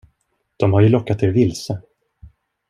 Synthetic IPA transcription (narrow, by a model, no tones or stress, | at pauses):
d̪̥ɔmhaɾjɵlɔkːat̪̚ɛɾvɪlsə